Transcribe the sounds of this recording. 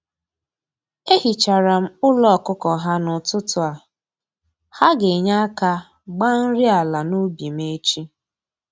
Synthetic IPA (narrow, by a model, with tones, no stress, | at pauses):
e˦hi˨t͡ʃa˨ɾa˨m̩˦ʊ˦lɔ˨kʊ˦kɔ˨ɦa˦nʊ˨tʊ˦tʊ˨a˨ | ha˦ɡe˨ɲa˦a˦ka˦ | ɡ͡ba˦n̩˦ɾɪ˦a˨la˨nu˦bi˨me˦t͡ʃi˦